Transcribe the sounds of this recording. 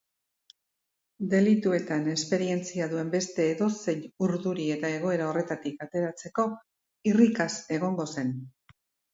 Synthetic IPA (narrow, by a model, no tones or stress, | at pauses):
d̪e̞lit̪ue̞t̪ane̞spe̞ɾie̞nt͡siaðue̞mbe̞st̪e̞ːðo̞se̞juɾðuɾie̞t̪ae̞ɣ̞o̞e̞ɾao̞re̞t̪at̪ikat̪e̞ɾat͡se̞ko̞ | irikase̞ɣ̞o̞ŋɡo̞se̞n